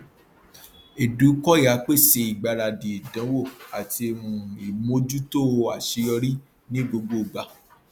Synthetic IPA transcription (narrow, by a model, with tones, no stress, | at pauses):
e˨du˨˦kɔ˦ja˨˦k͡pe˦˨se˧i˨ɡ͡ba˧ɾa˧˨di˨e˨dã˨˦wo˦˨a˨ti˧e˧mũ˨i˨m˦o˦d͡ʒu˦to˦˧a˨ʃe˧jɔ˧ɾi˦ | nĩ˦ɡ͡bo˧ɡ͡bo˦o˨ɡ͡ba˨˧˦